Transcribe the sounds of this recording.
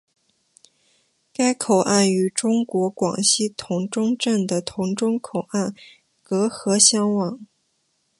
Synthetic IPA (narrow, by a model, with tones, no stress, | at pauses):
ka˥ɪkʰo˨˩ʊʔa˥˩ny˧˥ʈ͡ʂʊ˥ŋkwɔ˧˥kwɑ̰˨˩ŋɕi˥t̪ʰʊ˧˥ŋʈ͡ʂʊ˥ŋʈ͡ʂə˥˩nd̪ə˩t̪ʰʊ˧˥ŋʈ͡ʂʊ˥ŋkʰo˨˩ʊa˥˩n | kɤ˧˥xɤ˧˥ɕjɑ˥ŋwɑ˨˩˦ŋ